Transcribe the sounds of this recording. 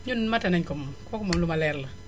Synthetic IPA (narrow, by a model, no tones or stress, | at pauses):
ɲunmatanɛɲkomkɔkɔmɔnlumalɛɾla